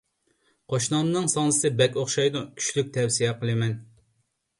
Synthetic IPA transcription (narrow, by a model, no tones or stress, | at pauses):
qʰoʃnɑmɨnɨŋsɑnɨsɨbɛkʲoχʃɑjd̪ukʲʰy̥t͡ʃlyk̚ʲt̪ʰɛwsijɛqəlˠɨmɛn